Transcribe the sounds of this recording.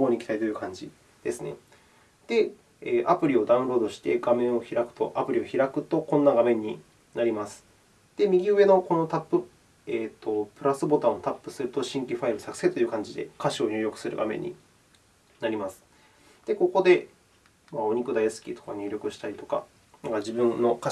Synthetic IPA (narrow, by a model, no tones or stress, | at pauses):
ɡoːɲ̟iki̥t̪aɾit̪o̞jɯ̟ːkãɲ̟d͡ʑi | d̪̥e̞sɨne̞̰ | d̪̥e̞ | eːʔapɯ̟ɾʲio̞d̪ãɯ̟̃ɾo̞ːd̪o̞ɕi̥t̪e̞ɡamẽ̞ɰ̃o̞çiɾakɯ̟̥t̪o̞̰ʔapɯ̟ɾʲio̞çiɾakɯ̟t̪o̞kõ̞nːaɡamẽ̞ɲ̟ːi | naɾʲimasɨ̥ | d̪̥e̞mʲiɡʲiɯ̟βe̞no̞ko̞no̞t̪apːɯ̟ | eːt̪ːo̞pɯ̟ɾasɨbo̞t̪ãot̪apːɯ̟sɨɾɯ̟t̪o̞ɕĩŋkʲiɸaiɾɯ̟sakɯ̟̥set̪o̞jɯ̟ːkãɲ̟d͡ʑid̪e̞̰kaɕio̞ɲʲɨːɾʲjo̞kɯ̟̥sɨɾɯ̟̰ɡa̰mẽ̞̰ɲ̟ːḭ | naɾʲimasɨ̥ | d̪̥e̞ko̞ko̞d̪e̞ | mao̞ɲ̟ikɯ̟d̪ajasɨ̥kʲḭt̪okaɲʲeːɾʲo̞kɯ̟ɕi̥t̪aɾʲit̪o̞̥ka̰ | naŋkad͡ʑibɯ̟̃nːo̞ka